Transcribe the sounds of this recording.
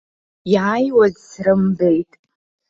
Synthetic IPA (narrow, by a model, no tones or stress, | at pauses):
jaajwazsrɨmbe̞jtʼ